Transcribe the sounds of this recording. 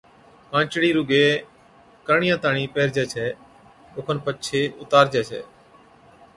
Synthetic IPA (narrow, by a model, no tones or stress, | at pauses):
kãːt͡ʃɽiːɾuɡeː | kəɳɪjãːt̪aːɳiːpeːɾd͡ʒɛːt͡ʃʰɛː | oːkʰənpət͡ʃʰeːʊt̪aːɾd͡ʒɛːt͡ʃʰɛ̰ː